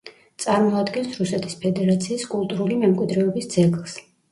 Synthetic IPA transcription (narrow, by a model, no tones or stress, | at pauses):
t̪sʼaɾmɔad̪ɡɛnsɾusɛt̪ʰi̥spʰɛd̪ɛɾat̪sʰiːskʼulˠt̪ʼuɾulimɛmkʼwid̪ɾɛɔbisd̪zɛɡlˠs